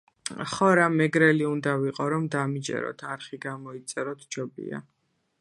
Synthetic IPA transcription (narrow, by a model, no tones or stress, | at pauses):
χɔɾamɛɡɾɛliund̪aviqʼɔɾɔmd̪amid͡ʒɛ̰ɾɔ̰t̪ʰaɾχiɡamɔit̪sʼɛɾɔt̪ʰd͡ʒɔbḭa̰